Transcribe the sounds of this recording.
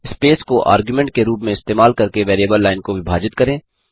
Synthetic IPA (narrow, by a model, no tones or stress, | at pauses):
ɪspeːskoʔa̰ːɾɡjumɛ̃ɳʈ̚keɾuːpmẽɪst̪eːmaːlkɐɾkeʋɛːɾeːbəlːaːɪnkoʋɪbʱaːd͡ʒɪt̪kɐɾẽː